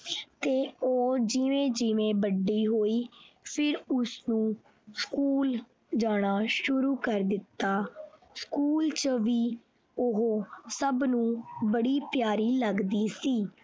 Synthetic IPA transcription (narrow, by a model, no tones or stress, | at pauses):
t̪eːoːd͡ʒɪʋẽːd͡ʒɪʋẽːbəɖːiːɦoːiːpʰɪɾʊsnũː | skuːl | d͡ʒaːɽ̃aːʃʊɾuːkəɾd̪ɪt̪ːaːskuːlt͡ʃəʋiː | ʊɦoːsəbnũːbəɽiːpjaːɾiːləɡd̪iːsiː